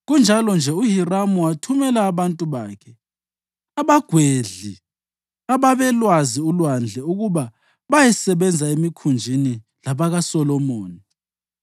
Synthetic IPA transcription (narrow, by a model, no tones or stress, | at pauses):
ɣund͡ʒʱalɔnd͡ʒʱɛuɦiramuwatʰumɛlaːβantʼuβaːkʰɛ | aβaɡ̥ʱweɮi | aβaβɛlwaziulwand͡ɮʱɛuɣuβa | βajɛsɛβɛnd͡zʱaemikʰund͡ʒʱini | laβaɣasɔlɔmoːni